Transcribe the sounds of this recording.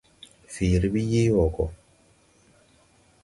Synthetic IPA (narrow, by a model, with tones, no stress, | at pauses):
fiː˨ɾi˨˦bi˦ji˦wɔ˨kɔ˨